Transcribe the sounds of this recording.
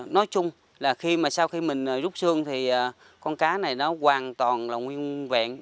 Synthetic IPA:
nɔ˨˦jt͡ɕʊ˧ŋ͡m | laː˨˩xi˧maː˨˩saː˧wxi˧mï˨˩ŋ̟ʔəː˨˩zʊ˦˥k͡p̚sɨ˧əŋt̪ʰi˨˩ʔəː˨˩ | kɔ˧nkaː˨˦na˨˩jnɔ˨˦ɣwaː˨˩nt̪waː˨˩nlaː˨˩ŋwi˧ənvɛ̰ː˧˨n

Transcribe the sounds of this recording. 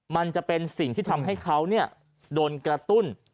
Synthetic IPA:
ma˧nt͡ɕa˨˩ʔpe˧nsi˨˩ŋt̪ʰiː˥˩t̪ʰa˧mɦa˥˩jkʰa˦˥wni˥˩ɐ | doː˧nkɾa˧t̪u˥˩n

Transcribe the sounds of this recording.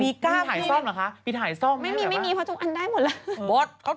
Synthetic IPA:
miː˧kaː˥˩aː˨˩˦jsɔ˥˩mla˦˥kʰa˦˥pʰiː˧t̪̚ɦaː˩˦jsɔ˥˩mma˥˩˦jmiː˧˦ma˥˩jmiː˧pʰɔ˦˥t͡ɕo˧ŋʔa˧ndaː˥˩jmo˨˩t̪̚la˦˥wo˦˥t̪̚kʰa˦˥˩

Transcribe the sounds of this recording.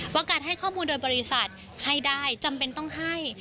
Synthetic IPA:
waː˦˥kaː˨˩t̪̚ha˥˩jkʰɔː˥˩muː˧ndoː˧jbɔː˧ɾi˦˥sa˨˩t̪̚ | ha˥˩jdaː˥˩jt͡ɕa˧mpe˧nt̪ɔ˥˩ŋɦa˥˩j

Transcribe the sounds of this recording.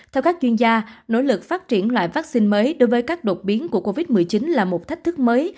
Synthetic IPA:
t̪ʰɛ˧wkaː˦˥k̚t͡ɕwi˧ənzaː˧no̰˧˥jlɨ˨˩k̚faː˦˥t̚t͡ɕi˧˩ənlwa̰ː˧˨jvaː˦˥k̚si˧nməː˨˦jɗo˨˦jvəː˨˦jkaː˦˥k̚ɗo˨˩t̚ɓi˨˦ənku˧˩əko˧vi˦˥t̚mɨ˨˩əjt͡ɕi˨˦nlaː˨˩mo˨˩t̚t̪ʰa˦˥k̟̚t̪ʰɨ˦˥k̚məː˨˦j

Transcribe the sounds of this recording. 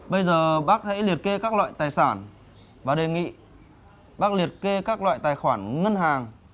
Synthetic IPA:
ɓə˧jzəː˨˩ɓaː˦˥k̚ha̰˧˥jli˨˩ət̚ke˧kaː˦˥k̚lwa̰ː˧˨jt̪aː˨˩jsaː˧˩n | vaː˨˩ɗe˨˩ŋḭ˧˨ | ɓaː˦˥k̚li˨˩ət̚ke˧kaː˦˥k̚lwa̰ː˧˨jt̪aː˨˩jxwaː˧˩nŋə˧nɦaː˨˩ŋ

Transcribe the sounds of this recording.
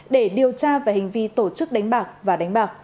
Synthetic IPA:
ɗe˧˩ɗi˨˩əwt͡ɕaː˧vaː˨˩hï˨˩ŋ̟vi˧t̪o˧˩t͡ɕɨ˦˥k̚ɗa˨˦jŋ̟ɓaː˨˩k̚vaː˨˩ɗa˨˦jŋ̟ɓaː˨˩k̚

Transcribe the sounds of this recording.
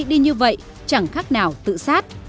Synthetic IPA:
ɗi˧ɲɨ˧və̰˧˨j | t͡ɕa˧˩ŋxaː˦˥k̚naː˨˩wt̪ɨ̰˧˨saː˦˥t̚

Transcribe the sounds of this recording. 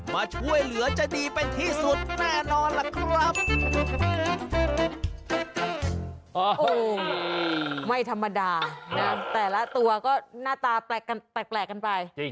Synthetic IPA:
maː˧t͡ɕʰu˥˩əjlɯ˩˦ɐt͡ɕa˨˩diː˧pe˧nt̪ʰiː˥˩su˨˩t̪̚naː˥˩nɔː˧nla˨˧˩kʰɾa˦˩p̚ | ʔoː˧˩ | ma˥˩jt̪ʰa˧mːa˧daː˧na˦˥t̪ɛː˨˩la˦˥t̪u˧ɐkɔː˥˩naː˥˩t̪aː˧pɛː˨˩kːa˧np̪ɛː˨˩k̚plɛː˨˩kːa˧npa˧j

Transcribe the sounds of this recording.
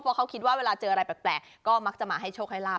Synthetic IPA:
pʰɔː˧˦˥kʰa˦˥wkʰi˦t̪̚waː˥˩weː˧laː˧t͡ɕɤː˧ʔa˧ɾa˧jpɛː˨˩plɛː˨˩k̚ | kːɔː˥˩ma˦˥k̚t͡ɕa˨˩ʔmaː˧ɦa˥˩jt͡ɕʰoː˥˩k̚ʰa˥˩laː˥˩

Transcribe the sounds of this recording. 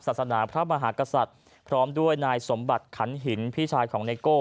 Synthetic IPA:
sa˨˩t̪̚sa˧naː˩˦pʰɾa˦˥ma˧ɦaː˩˦˥ka˧sa˨˩t̪̚ | pʰɾɔː˦˥mdu˥˩əjnaː˧jso˩˦mba˨˩t̪̚kʰa˩˦nɦi˩˦npʰiː˥˩t͡ɕʰaː˧jkʰɔː˩˦ŋneː˧koː˥˩

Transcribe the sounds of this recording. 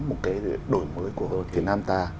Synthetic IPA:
mo˨˩t̚kaː˨˦jɗo˧˩jməː˨˦jku˧˩əho˧˩jt̪ʰi˨˩naː˧mt̪aː˧

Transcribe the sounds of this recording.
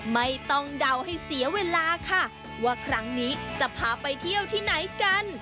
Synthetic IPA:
ma˥˩jt̪ɔ˥˩ŋda˧wha˥˩jsi˨˩˦ɐweː˧laː˧kʰa˥˩ | waː˧˥˩kʰɾa˦˥ŋniː˦˥t͡ɕa˨˩pʰaː˨˩pa˧jt̪ʰi˥˩əwt̪ʰiː˥˩na˩˦jka˧n

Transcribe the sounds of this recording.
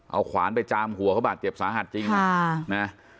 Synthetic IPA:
ʔa˧wkʰwaː˩˦npa˧jt͡ɕaː˧mhu˨˩˦əkʰa˥˩wbaː˨˩t̪̚t͡ɕe˨˩p̚saː˨˦ɦa˨˩t̪̚t͡ɕi˧ŋʰa˥˩na˦˥

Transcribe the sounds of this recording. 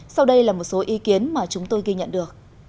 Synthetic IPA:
sa˧wɗə˧jlaː˨˩mo˨˩t̚so˨˦ʔi˨˦ki˨˦ənmaː˨˩t͡ɕʊ˨˦ŋ͡mt̪o˧jɣi˧ɲə̰˧˨nɗɨ˨˩ək̚

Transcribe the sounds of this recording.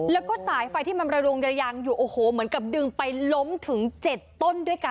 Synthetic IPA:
lɛː˦˥wkɔː˥˩saː˨˩˦jfa˧jt̪ʰiː˥˩ma˧nɾa˧do˧ŋja˧jaː˧ŋjuː˨˩ʔoː˧˩hoː˩˦mɯ˩˦ənka˨˩p̚dɯ˧ŋpa˧jlo˦˥mt̪ʰɯ˩˦ŋt͡ɕe˨˩t̪ːo˥˩ndu˥˩əjka˧

